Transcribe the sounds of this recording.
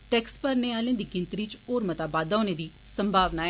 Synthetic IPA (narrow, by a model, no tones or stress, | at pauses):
ʈɛːkspəɾneːaːlẽːd̪iːɡɪnt̪ɾiːt͡ʃoːɾmət̪aːbaːd̪aːneːd̪iː | səmbʱaːʋnaː